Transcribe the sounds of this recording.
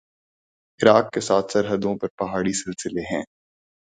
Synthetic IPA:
ɪɾaːkːesaːt̪ʰsɐɾɦəd̪õpɐɾpɐɦaːɽisɪlsɪleɦɛ̃ː

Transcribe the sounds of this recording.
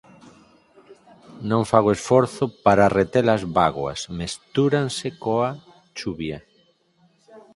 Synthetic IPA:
nõŋfaɣ̞oesfoɾθopaɾaret̪elazβaɣwa̰smest̪uɾansekoa | t͡ʃuβja

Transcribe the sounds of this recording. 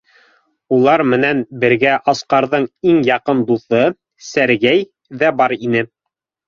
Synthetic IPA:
ulˠɑɾmɘ̆nænbɘ̆ɾɡæʔɑsqɑɾðɤɴiŋjɑqɤnd̪uθɤ | sæɾɡæj | ðæbɑɾinɘ

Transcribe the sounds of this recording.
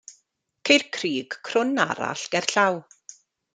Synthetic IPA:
kʰejrkʰriːɡ̥kʰrʊna̰ɾa̰ɬɡ̥ɛrɬaw

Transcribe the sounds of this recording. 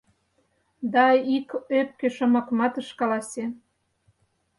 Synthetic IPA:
d̪ɑikøp̚keʃŏmɑkmɑt̪əʃkɑlɑse

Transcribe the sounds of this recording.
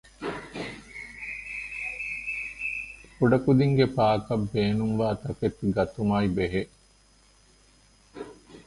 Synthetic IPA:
kuɖɐkud̪iŋɡepaːkɐbːeːnumʋaːt̪ɐket̪ɡɐt̪umaibeɦeʔ

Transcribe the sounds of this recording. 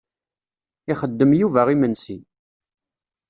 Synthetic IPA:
ɪχəd̪ːəmjuvæʁimənsi

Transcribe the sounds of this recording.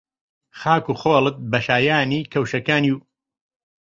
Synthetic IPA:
xaːkuːxoːlɨt̪̚bɐʃaːjaːniːkʰɐwʃɐkaːniw

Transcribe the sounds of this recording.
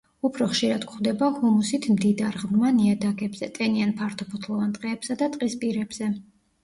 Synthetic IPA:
upʰɾɔχʃiɾad̪kʰχwd̪ɛbahumusit̪ʰmd̪id̪aɾʁmmaniad̪aɡɛbz̥ɛt̪ʼɛnianpʰaɾt̪ʰɔpʰɔt̪ʰlˠɔvant̪ʼqʼɛːbsad̪at̪ʼqʼispʼiɾɛbz̥ɛ

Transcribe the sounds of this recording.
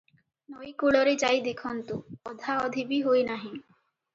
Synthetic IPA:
nojkuɭɔɾet͡ʃajd̪ekʰɔnt̪uɔd̪ʱaɔd̪ʱibiɦojnaɦi

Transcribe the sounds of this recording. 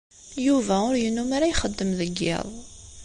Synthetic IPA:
juvæʊɾjənːumaɾajχəd̪ːəmðəɡːɪ̰ðˤ

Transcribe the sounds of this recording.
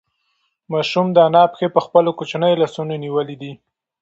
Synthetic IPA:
mɑʃumd̪əanɑpxepəxpəlokot͡ʃnəjlasunoniwəlid̪i

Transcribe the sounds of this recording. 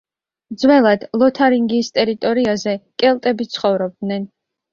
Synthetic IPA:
d̪zwɛlˠad̪̥lˠɔt̪ʰaɾiŋɡist̪ʼɛɾit̪ʼɔɾiazɛkʼɛlˠt̪ʼɛbit̪sʰχɔvɾɔb̚d̪nɛn

